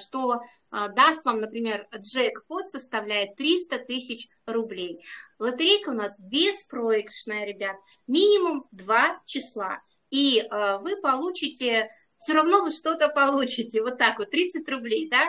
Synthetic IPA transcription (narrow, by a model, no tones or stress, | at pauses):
ʂt̪o̞ | əd̪ast̪vamnəpɾʲɪmʲe̞rʐɛkpo̞t̪səst̪ɐvlʲæjɪt̪ːɾʲist̪ət̪ɨsʲɪt͡ɕ | rʊblʲejlˠət̪ɨɾʲejkəʊnasbʲespɾoɪkəʂnəjəɾʲɪbʲat̪ə | mʲinʲɪmʊmd̪vat͡ɕɪslˠa̰ | iəvɨpɐlˠut͡ɕɪtʲɪ | fsʲoɾɐvno̞vɨʂt̪o̞t̪əpɐlˠut͡ɕɪtʲɪvo̞t̪ːakvot̪ːɾʲit̪sɨtʲrʊblʲejd̪a